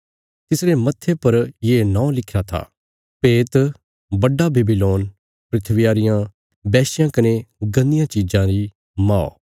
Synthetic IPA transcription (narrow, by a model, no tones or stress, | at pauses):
t̪ɪsɾemɐt̪ʰːepɐɾjeːnãːlɪkʰjat̪ʰa̰ː | peːt̪ | bɐɖːabeːbiloːn | pɾɪt̪ʰʋɪjaːɾɪjã | bɛːsɪjãkɐneɡɐnɪjãt͡ʃid͡ʒãɾi | maːo̰